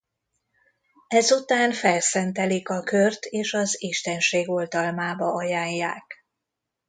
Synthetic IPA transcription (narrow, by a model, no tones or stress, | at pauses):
ɛzut̪aːnfɛlsɛnt̪ɛlikɒkørt̪eːʃɒziʃt̪ɛnʃeːɡo̞ld̪ɒlmaːbɒɒjaːɲːaːk